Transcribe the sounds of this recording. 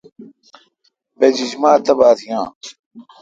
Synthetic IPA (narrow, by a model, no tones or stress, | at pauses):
bed͡ʑid͡ʑmaːt̪ɐbaːt̪ʰijãː